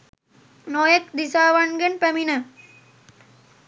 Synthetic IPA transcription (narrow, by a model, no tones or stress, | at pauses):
noːjɐk̚d̪isaːʋɐɳɡɐnpɐminɐ